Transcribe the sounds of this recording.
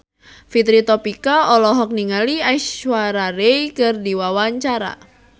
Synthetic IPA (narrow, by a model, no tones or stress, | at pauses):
fit̪ɾit̪ɔpikaɔlɔɦɔk̚niŋaliajswaɾaɾeikɨrdiwawaɲt͡ʃaɾa̰